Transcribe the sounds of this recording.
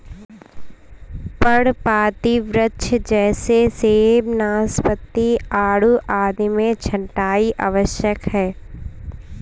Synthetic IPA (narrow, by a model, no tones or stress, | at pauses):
pəɽpaːt̪iʋɾətːʃʰd͡ʒɛːseseːbnaːspət̪ːiaːɽuʔaːd̪imẽt͡ʃʰə̃ɳʈaːiʔa̰ːʋəʃjəkɦɛː